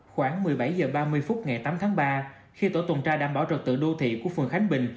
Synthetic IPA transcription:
xwaː˧˩ŋmɨ˨˩əjɓa˧˩jzəː˨˩ɓaː˧mɨ˧əjfʊ˦˥t̚ŋa˨˩jt̪aː˨˦mt̪ʰaː˨˦ŋɓaː˧ | xi˧t̪o̰˧˩t̪wə˨˩nt͡ɕaː˧ɗaː˧˩mɓaː˧˩wt͡ɕə˨˩t̚t̪ɨ̰˧˨ɗo˧t̪ʰḭ˧˨ku˧˩əfɨ˨˩əŋxa˨˦jŋ̟ɓï˨˩ŋ̟

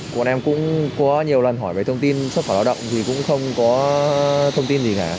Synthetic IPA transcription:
kwnʔɛ˧mkʊ̰˧˥ŋ͡mkɔ˨˦ɲi˨˩əwlə˨˩nɦɔ˧˩jvəː˨˩t̪ʰwŋ͡mt̪i˧nsw̚faː˧˩aː˧wɗə̰˧˨wŋ͡mt̪ʰi˨˩kʊ̰˧˥ŋ͡mxə˧wŋ͡mkɔ˨˦ | t̪ʰə˧wŋ͡mt̪i˧nzi˨˩kaː˧˩

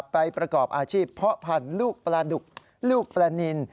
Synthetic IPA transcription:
pːa˧jpɾa˧kɔː˨˩p̚ʔaː˧t͡ɕʰiː˥˩pʰɾɔ˦˥pʰa˧nluː˥˩k̚plaː˧du˨˩k̚ | luː˥˩k̚plaː˧ni˧n

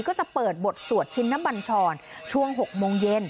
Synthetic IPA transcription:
kɔː˥˩t͡ɕa˨˩pɤː˨˩t̪̚bo˨˩t̪̚su˨˩ət̪̚t͡ɕʰi˦˥nːa˦˥mba˧nt͡ɕʰɔː˧nt͡ɕʰu˥˩əŋɦo˨˩k̚moː˧ŋje˧n

